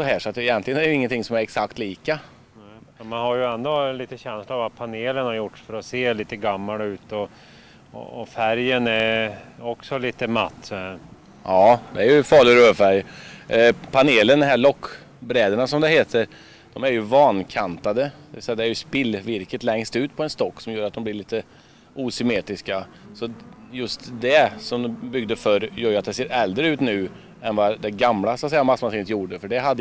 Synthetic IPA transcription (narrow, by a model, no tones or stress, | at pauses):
sɔɦæːʂɔat̪̚d̪ɛɪjɛnt̪lɪɡənæɛɾjɪŋːənt̪ʰɪŋsɔmæɾɛksakt̪liːka | ɛmanhaɾjəɛnd̪ɔliːt̪əɕɛnslaavat̪pʰaneːlənhaɾjʊʈʂfœɾɔseːliːt̪əɡamːalʉ̟ːt̪ɔ̰ | fæɾjənɛɾɔksɔliːt̪əma̰t̪ː | ʔɑːd̪ɛæɾjɵfɑːɭɪɾøːvfæɾj | pʰaneːlənd̪ɛhɦæːɭɔkː | bɾɛːd̪əɳasɔmd̪ɛheːt̪ʰəɾ | d̪̥ɔmæɾjɵvɑːnkʰant̪ad̪əd̪ɛvɪsɛjːad̪ɛæɾjɵspɪlːvɪɾkət̪lɛŋst̪ʉ̟ːt̪pʰɔɛnst̪ɔkːsɔmjuːɾat̪d̪ɔmblɪɾɭiːt̪ə | uːsʏmeːt̪ɾɪskasɔ | jɵst̪d̪ɛsɔmbʏɡd̪əfœɾjœjat̪̚d̪ɛseːɾɛld̪ɾəʉ̟ːt̪nʉ̟ː | ɛnvɑd̪ɛɡamlasat̪sɛjːamasːmansiːnət̪juːɖəfœɖɛɦad̪ː